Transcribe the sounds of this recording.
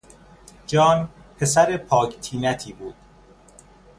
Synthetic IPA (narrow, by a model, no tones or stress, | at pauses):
d͡ʒɒːnpʰe̞sæɾepʰɒːkt̪ʰiːnæt̪ʰiːbuːd̪̥̚